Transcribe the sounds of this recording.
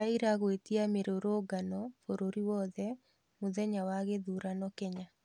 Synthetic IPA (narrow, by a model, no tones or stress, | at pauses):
aiɾaɣwetiameɾoɾoːɡanɔfoɾoɾiwɔðɛ | moðɛɲawaɣeðuɾanɔkɛɲa